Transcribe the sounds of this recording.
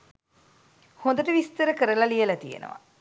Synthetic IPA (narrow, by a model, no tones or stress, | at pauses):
hond̪əʈəʋist̪əɾəkəɾəlɐlijəlɐt̪ijḛnə̰ʋɐ̰